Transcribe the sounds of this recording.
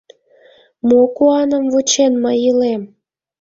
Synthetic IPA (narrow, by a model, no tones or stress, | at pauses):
mokuɑnəmvut͡ɕenməjilem